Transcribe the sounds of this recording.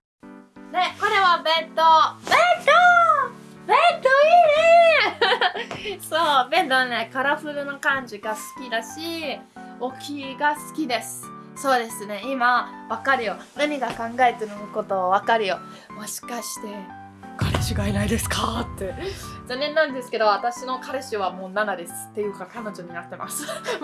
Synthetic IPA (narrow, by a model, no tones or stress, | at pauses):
ne̞ko̞ɾe̞βabe̞t̪obet̪o | bet̪ːoiːne | soːbẽ̞nt̪oβane̞kaɾaɸɯ̟ɾɯ̟no̞kãɲ̟d͡ʑiɡasɨ̥kʲid̪aɕi | o̞kʲʰiɡasɨ̥kʲid̪e̞sɨ̥ | so̞ːd̪e̞sɨne̞imaβakaɾɯ̟jo̞naɲ̟iɡakãŋɡae̞t̪eɾɯnɯko̞t̪o̞ːβakaɾɯ̟jo̞ | mo̞ɕi̥kaɕi̥t̪e̞ | kaɾḛɕiɡainaid̪e̞sɨ̥kat̪ːe̞d͡ʑanːẽ̞nːãnd̪e̞sɨ̥ke̞d̪o̞βat̪aɕino̞kaɾeɕɨβamo̞ːnanad̪e̞sɨ̥t̪ːe̞jɯ̟ːkakano̞ʑo̞ɲ̟inat̪ːe̞ma̰sɨ̥